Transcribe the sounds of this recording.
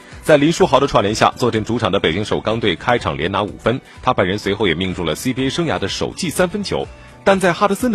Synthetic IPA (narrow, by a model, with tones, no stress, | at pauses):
t͡sa˥˩ɪli˧˥nʂu˥xɑ˧˥d̪ə˧ʈ͡ʂʰwa˥˩nljɛ˧˥nɕja̰˥˧t͡swɔ˥˧ʈ͡ʂə˥˩ŋʈ͡ʂu˧˥ʈ͡ʂʰɑ˨˩ŋd̪ə˦pe˨˩ɪt͡ɕi˥ŋʂo˨˩ʊkɑ˥ŋt̪we˥˩ɪkʰa˥ɪʈ͡ʂʰɑ̰˨˩ŋljɛ˧˥na˧˥ṵ˨˩fə˥n | t̪ʰa˥pə˨˩ɻə˧˥nswe˧˥ɪxo˥˩ʊjɛ˨˩mi˥˧ŋʈ͡ʂu˥˩lə˩si˥pi˧˥e˥ɪʂɤ˥ŋja̰˧˥d̪ə˧ʂo˨˩ʊt͡ɕi˥˩sa˥nfə˥nt͡ɕʰjo̰˧˥ʊ | t̪a˥˧nt͡sa˥˧ɪxa˥d̪ə˧˥sə˥n